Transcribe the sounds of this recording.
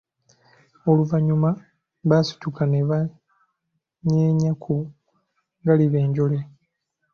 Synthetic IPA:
oluvaɲuma | βasu̥cukaneβa | ɲeːɲakʰu | ŋɡaliβe̞ːɲɟo̞le

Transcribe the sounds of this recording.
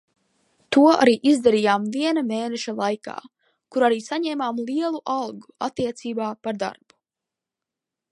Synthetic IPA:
t̪uɔa̰ɾiːʔizd̪aɾijaːmviɛnameːnɛʃalˠajka̰ː | kuɾaɾiːsaɲɛːmaːmliɛlˠuʔalˠɡua̰t̪ːiɛt̪siːbaːpaɾd̪a̰ɾb̥u̥

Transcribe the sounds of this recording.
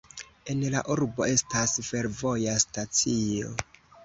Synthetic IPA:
e̞nlaʔuɾbo̞e̞stasfe̞ɾvo̞jastat͡sio̞

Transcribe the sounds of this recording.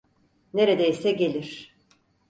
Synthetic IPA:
ne̞ɾed̪eisɛɟe̞lʲiɾ̥

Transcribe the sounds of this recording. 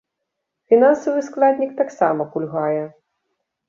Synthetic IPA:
fʲinansɐvɨsklˠad̪ʲnʲik̚t̪aksa̰mɐpulʲɣajɛ

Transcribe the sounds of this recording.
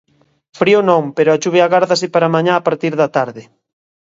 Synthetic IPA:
fɾionɔ̃ŋpeɾʊat͡ʃuβeaɣaɾðas̬ɪpaɾamaɲaːpaɾt̪iɾðɐt̪aɾðɪ

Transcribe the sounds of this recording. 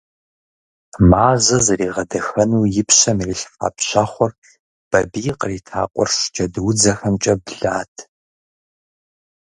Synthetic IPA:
maːzɐzɐriːʁɐdɐxɐnuːjɪpɕɐmirɪɬfa̰ːpɕaχʷɔr | b̥ɐbijqʼəriːtʰa̰ːqʷʼɔ̰rʂʷd͡ʒɐdwʊd͡zɐxɐmt͡ʃʼɐbɮaːtʰ

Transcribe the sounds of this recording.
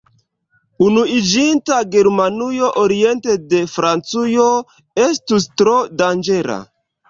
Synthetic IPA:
unuid͡ʒintaɡe̞ɾmanujo̞ʔoɾie̞nte̞de̞fɾant͡sujo̞ | e̞stustɾo̞dand͡ʒe̞la̰

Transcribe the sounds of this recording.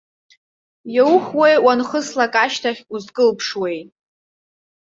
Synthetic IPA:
jawχwejwanχəslakʼaʃtʰaχʲuzkʼɨlpʰʂwejtʼ

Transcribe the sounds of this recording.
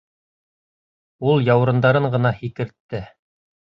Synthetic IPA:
ulˠjɑwɾɤ̆nd̪ɑɾɤɴɢɤ̆nɑhikɘ̆ɾt̪ːɘ

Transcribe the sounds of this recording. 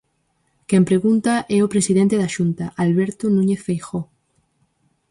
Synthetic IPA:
kempɾeɣunt̪aʔɛopɾesiðẽnt̪eðaʃunt̪aʔalβeɾt̪onũɲeθfejxo

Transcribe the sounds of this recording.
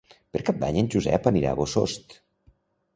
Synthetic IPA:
peɾkap̚d̪aɲənʲʒuzɛ̰pəniɾa̰βoso̰st̪

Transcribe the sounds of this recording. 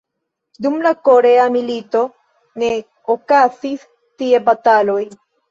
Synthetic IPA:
dumlakoɾe̞amilito̞ | ne̞ | okazis | tie̞batalo̞j

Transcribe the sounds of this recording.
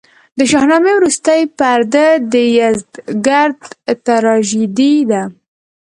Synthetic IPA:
d̪əʃɑhnɑmewɾust̪əjpaɾd̪əd̪əjazd̪ɡaɾd̪t̪aɾɑʒid̪id̪a

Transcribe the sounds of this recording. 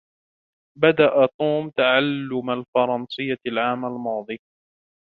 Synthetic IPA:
bad̪aʔat̪uːmt̪aʕalːʊmalfɑɾˤɑnsˤɨjːalʕaːmalmɑːd̪ˤɨː

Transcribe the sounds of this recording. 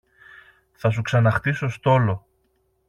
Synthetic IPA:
θɐs̬uksɐnɐxt̪iso̞st̪o̞lo̞

